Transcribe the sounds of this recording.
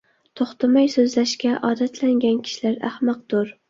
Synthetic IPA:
t̪ʰoχt̪ʰamajsɵzlæʃkʲaʔɒːd̪at̪ʰlæŋɡʲankʲʰi̥ʃilaɾa̰hmɑq̚d̪̥ʊɾ

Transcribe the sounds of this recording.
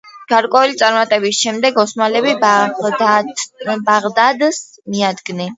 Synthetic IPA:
ɡ̥aɾkʼwɛulit̪sʼaɾmat̪ʼɛbisʃɛmd̪ɛɡɔsmalɛbib | baʁd̪ad̪s | miad̪ɡnɛn

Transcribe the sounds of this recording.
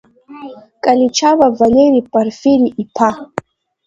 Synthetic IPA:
kʼalit͡ʃabavaleɾipʼaɾfiɾiʔipʰa

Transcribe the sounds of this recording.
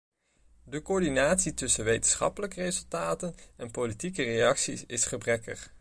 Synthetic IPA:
dəkoːɹdinaːtsitʏsənʋejtənsχɑ̰pələkərejzɵlˠtaːtənɛnpolitikərejɑksisɪsχəbrɛkə̰χ

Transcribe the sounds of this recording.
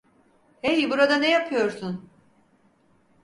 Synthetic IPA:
hejbuɾad̪anejapʰɯjo̞ɾsun

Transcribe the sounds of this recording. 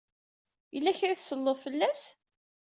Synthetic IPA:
jəlːæçɾiθsəlːəðˤfəlːæs

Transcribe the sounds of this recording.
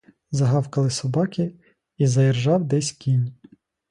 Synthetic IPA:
zɐɦɑwkɐlˠɪsɔbɑkʲɪ | izɐjɛrʒɑwd̪ɛsʲkʲinʲ

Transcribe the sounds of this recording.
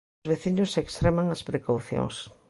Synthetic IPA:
zβeθiɲʊsekst̪ɾemaŋɐspɾekawθjo̰ŋs

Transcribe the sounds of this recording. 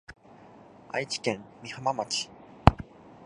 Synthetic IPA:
a̰it͡ɕi̥kẽ̞mmʲihamamat͡ɕi̥

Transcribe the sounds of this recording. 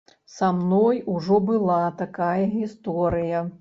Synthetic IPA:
samnɔjuʐɔbɨlˠat̪akajɐɣʲist̪ɔɾɨjɐ

